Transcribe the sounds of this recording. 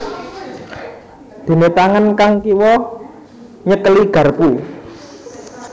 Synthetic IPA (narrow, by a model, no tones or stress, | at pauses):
d̪̥e̤net̪aŋənkaŋkiwɔ | ɲəkəliɡ̥ä̤rpu